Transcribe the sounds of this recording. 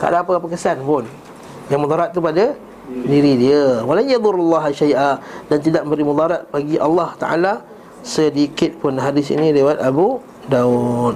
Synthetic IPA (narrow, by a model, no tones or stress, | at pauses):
k̪a̰ʔa̰daːpəapəkəsanpʊn | jaŋmud̪aɾat̪̚tːupada | diɾidiəwalanjad̪ʊɾalːɑɦaʃajʔadant̪̬idaʔ̚məmbəɾimud̪aɾat̪̚paɡiʔɑlːɑht̪a̰ʔa̰la | sədiːkɪt̪̚pʊnɦadɪsḭnĩlewat̪abu | daun̚